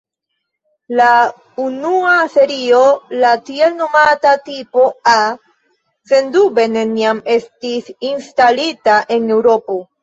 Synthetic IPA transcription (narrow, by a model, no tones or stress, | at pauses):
la | unuase̞ɾio̞latielno̞matatipo̞a | se̞ndube̞ne̞niame̞stisinstalitaʔe̞ne̞wɾo̞po̞